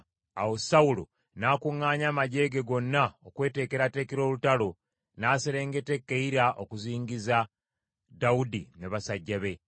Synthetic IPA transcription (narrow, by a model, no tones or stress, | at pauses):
a̰wo̞saulo̰ | naːkuŋːaːɲamaɟe̞ːɡe̞ɡo̞nːaokwe̞ːte̞ːke̞ɾate̞ːkeɾo̞ːlutalo̞ | naːseɾe̞ːŋɡe̞te̞kːeiɾaʔokuziːŋɡiza | daudineβasaɟːaβe̞